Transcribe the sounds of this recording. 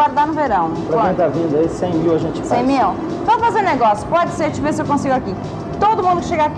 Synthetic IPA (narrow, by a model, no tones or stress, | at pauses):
waɾd̪aɾnʊveɾɐ̃w̃pɾɐkẽt̪avĩnd̪ʊɐisẽj̃miwɐʒẽt͡ʃɪfsaẽj̃mi | vɐ̃wfazeɾneɡɔsjʊpɔd͡ʒɪseɾt͡ʃɪvesɪewkõsiɡʊaki | t̪od̪ʊmũnd̪ʊkɪ̥ʃeɡak